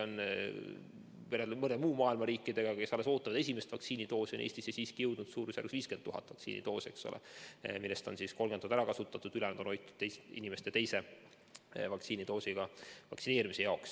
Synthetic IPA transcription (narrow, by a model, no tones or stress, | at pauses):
on | meɾemɤnemuːmɑːilmɑɾiːkːˑid̪̥e̞ɡ̥ɑkke̞sole̞so̞ːt̪ːɑvɑd̪̥e̞s̬ʲime̞st̪vɑkt̪siːnit̪o̞ːsionḛːsʲt̪isesiːskijɤwd̪̥nud̪suːɾusæ̰ɾksviːskenːuɦɑ̰t̪ːˑvɑk̪sḭːnḭt̪o̞ːse̞̰kso̰lʔḛmilːest̪o̞nsisko̞lɡet̪ud̪æɾɑkɑsut̪ːˑɑt̪ːud̪̥ylɛnd̪o̞no̞jt̪ːˑud̪̥t̪ːejsḭnime̞st̪et̪e̞jse̞ | vɑk̪siːnit̪o̞ːsiɡ̥ɑvɑksineːɾimise̞jɑoks